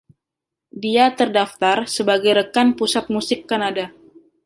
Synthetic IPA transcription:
diat̪ərdaft̪arsəbaɡajɾəkanpusat̪̚musɪkːanada

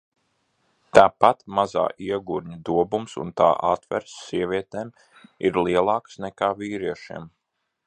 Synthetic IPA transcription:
t̪aːpat̪maza̰ːʔiɛɡuɾɲad̪uɔbumsṵnt̪a̰ːʔat̪vɛ̰ɾsːiɛvʲiɛt̪eːm | ḭɾliɛlˠɑːksnɛkaːviːɾiɛʃḭːm

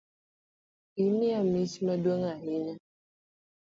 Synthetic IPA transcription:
imiamisimadwaŋaɦiɲa

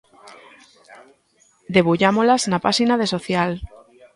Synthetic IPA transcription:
d̪eβuʎamolaznapasinaðesoθjal

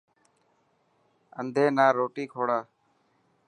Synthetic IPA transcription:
ənd̪ʱeːnaːɾoːʈiːkʰoːɽaː

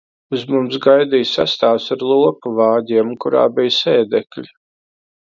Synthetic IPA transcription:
uzmumsɡajd̪ijsa̰st̪aːwsaɾlˠuɔpuvaːdʲiɛmkuɾa̰ːbijsɛːd̪ɛklʲi

